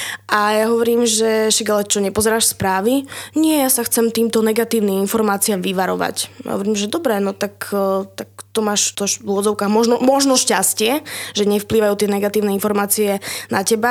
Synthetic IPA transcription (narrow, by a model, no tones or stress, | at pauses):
ʔajaɦɔʋɔɾiːmʒɛʃɛɡalɛt͡ʃɔɲɛpɔzɛɾaːʃspɾaːʋiɲɪɛjasaxt͡sɛmt̪iːmt̪ɔnɛɡat̪iːʊniminfɔɾmaːt͡siaːmʋiʋaɾɔ̰ʋa̰cja̰ɦɔ̰ʋɔɾiːmʒɛd̪ɔbɾɛnɔt̪akt̪akt̪ɔmaːʃt̪ɔʃvuʊɔd͡zɔʊkaːɣmɔʒnɔmɔʒnɔʃcascɪɛʒɛɲɛfpliːʋajuːt̪ɪɛnɛɡat̪iːʊnɛinfɔɾmaːt͡siɛnacɛba